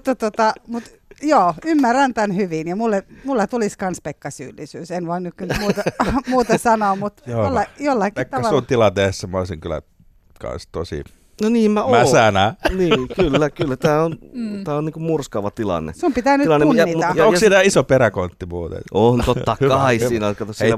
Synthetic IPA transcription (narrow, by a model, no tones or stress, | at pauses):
ut̪ːɑt̪ot̪ɑmut̪ | joːymːærænt̪ænhyʋinjɑmulːemulːɑt̪uliskɑnspekːɑsy̰ːlːisyːsenʋoinːykkynmuːt̪ɑmuːt̪ɑsɑnoːmut̪joːolːɑjolːɑkːk̪ɑæsunt̪ilɑnt̪esːæmæoˑisiŋkylæ̰ | kɑ̰nst̪o̰sḭ | noniːmmæomæssænæniːkylːækylːæt̪æːont̪æːonniːŋkummurskɑʋɑt̪ilɑ̰nːḛsumpit̪ænyilɑnːemunæːitmuɑjɑoŋsinæisopeɾækont̪ːimuːt̪ḛnoːnt̪ot̪ːɑkːɑisiːnɑkɑt̪osiæ